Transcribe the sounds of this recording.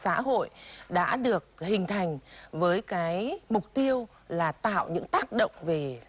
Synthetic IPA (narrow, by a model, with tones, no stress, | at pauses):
sa̰ː˧˥ɦo̰˧˨jɗa̰ː˧˥ɗɨ˨˩ək̚hï˨˩ŋ̟t̪ʰa˨˩jŋ̟vəː˨˦jkaː˨˦jmʊ˨˩k͡p̚t̪i˧əw | laː˨˩t̪a̰ː˧˨wɲɨ̰˧˥ŋt̪aː˦˥k̚ɗə̰˧˨wŋ͡mve˨˩